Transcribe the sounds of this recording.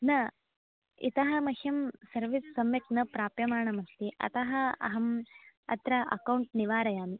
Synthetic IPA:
nɐ | ḭt̪ɐɦɐmɐhjɐmsɐɾʋisːɐmjɐknɐpɾaːpjɐmaːɳɐmɐst̪iʔɐ̰t̪ɐɦɐɐ̰ɦɐmɐ̰t̪ɾɐʔɐ̰kɐwɳʈ̚niʋaːɾɐjaːmi

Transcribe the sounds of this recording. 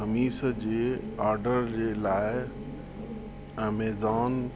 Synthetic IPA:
əmiːsd͡ʑeːaːɾɖəɾd͡ʑeːlaːɪ | mɛːzaːn

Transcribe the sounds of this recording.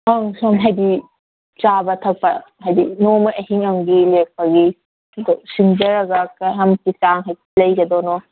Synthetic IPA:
aŋsoŋɦajdi | t͡ʃabɐtʰɐk̚pɐɦajdinomɐʔeɦiŋaŋɡilek̚ʰɐɡi | ɐd̪osiŋd͡ʒɐɾɐɡɐkaɦɐmkisaŋɦajtlɐjɡɐd̪ɔnɔ

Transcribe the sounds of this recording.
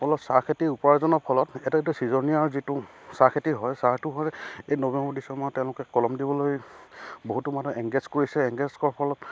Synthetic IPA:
pɔlɔsakʰetiupɔɹazɔnɔpʰɔlɔtɛtɛitusizɔɹniaɹzitʊsaɹkʰetiɦɔjsaɹtuɦɔjejnobɛmbɔɹdisɔmɔjtɛ̃ʊ̃lʊkɛkɔlɔmdibɔlojboɦutumatɔʔɛŋɡezkoɹisɛɛŋɡezkɔɔpʰɔlɔt

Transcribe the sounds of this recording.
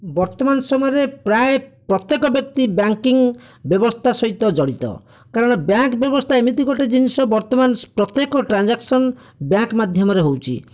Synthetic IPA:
bɔɾt̪ɔmansɔmɔjɔɾepɾaepɾɔt̪jekɔbjɔk̚t̪ibjaŋkiŋ | bjɔbɔst̪ʰasɔɦit̪ɔd͡ʒɔɽit̪ɔ̰ | kaɾɔɽ̃ɔbjaŋkbjɔbɔst̪ʰaemit̪iɡɔʈed͡ʒinisɔbɔɾt̪ɔmanpɾɔt̪ːjekɔʈɾand͡ʒaksɔn | bjaŋkmad̪ʱjɔmɔɾeɦowt͡ʃʰḭ

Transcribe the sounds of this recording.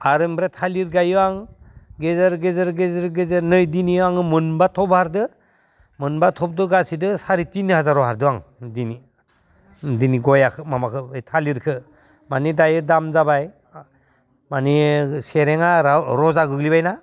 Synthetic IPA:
aɾɯmbɾetʰaliɾɡajɯaŋ | ɡezaɾɡezɯɾɡezɯɾɡezɯɾnɯjdiniaŋɯmɯnbatʰɔbhaɾdɯ | mɯnbatʰɔp̚dɯɡasidɯsaɾitinihazaɾɔhaɾdɯwaŋdini | diniɡɔjakʰɯmamakʰɯɯjtʰaliɾkʰɯ | manidajɯdamzabaj | maniseɾeŋaɾɔzaɡɯɡlibajna

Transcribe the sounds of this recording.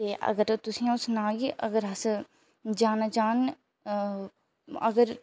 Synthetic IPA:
eːʔɐ̰ɡəɾt̪ʊsĩːãsnaːɡiʔəɡəɾɐs | d͡ʒaːnad͡ʒaːn | ə̰ɡəɾ

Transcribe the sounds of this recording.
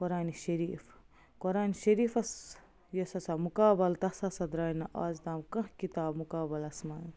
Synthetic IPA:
koɾaːniʃɐɾiːf | koɾaːniʃɐɾiːfɐs | jɐsɐsamukaːbɐlt̪ɐsɐsɐd̪ɾaːinɐʔaːzd̪aːmkɐ̃ɦkit̪aːbmukaːbɐlɐsman

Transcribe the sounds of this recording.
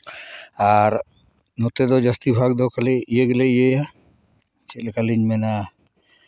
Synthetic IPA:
aɾ | nɔt̪ɛd̪ɔd͡ʒast̪ibʱaɡ̚d̪ɔkalɛijeɡɛlɛijeja | t͡ʃɛt̪lɛkaliɲmɛna

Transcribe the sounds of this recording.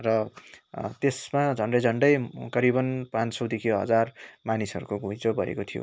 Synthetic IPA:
rʌ | t̪esmad͡zʱʌɳɖʌjd͡zʱʌɳɖʌjkʌɾibʌnpãnt͡ssʌwd̪ikʰiɦʌ̰d͡zarmanisʌɾukoɡʱũjd͡zobʱʌḛkot̪ʰijo̰

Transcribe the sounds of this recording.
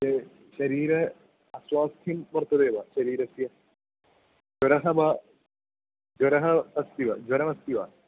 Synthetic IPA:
e | ɕɐɾiːɾɐ | ɐswaːst̪ʰjɐmʋɐrt̪ːɐd̪eːʋɐɕɐɾiːɾɐsjɐ | d͡ʒɐɾɐɦɐbɐ | d͡ʒɐɾɐɦɐɐst̪iʋɐd͡ʑwɐɾɐmɐst̪iʋɐ̰

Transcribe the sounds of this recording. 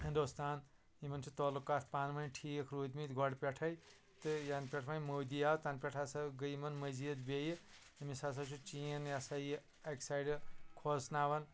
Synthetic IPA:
hind̪ost̪aːn | imɐnt͡ʃʰut̪ɔlukːat̪ʰpaːnmɐnʈʰikʰɾuːd̪mit̪ɡʱɔɽpʲeʈʰɐj | t̪ɨjanpʲeʈʰmajmowd̪iawt̪aːnpʲeʈʰasɐɡəjmɐnmɐziɐt̪bejɨ | imisas̬ɐwt͡ʃʰut͡ʃiɐnjasaj | ɐksajɖɨkʰosnawɐn

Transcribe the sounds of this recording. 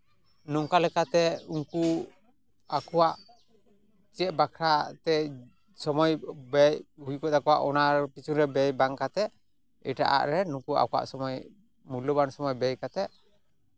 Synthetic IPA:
nɔŋkalɛkat̪ɛuŋku | akɔwaʔ | t͡ʃɛʔ̪̚bakʰɾat̪ɛ | sɔmɔjbɛjhujkɔt̪akɔwaʔɔnaɾpit͡ʃunɾɛbɛjbaŋkat̪ɛ | ḭʈa̰ʔa̰ʔɾɛnukua̰kɔwa̰ʔsɔmɔj | mulɔbansɔmɔjbɛjkat̪ɛ

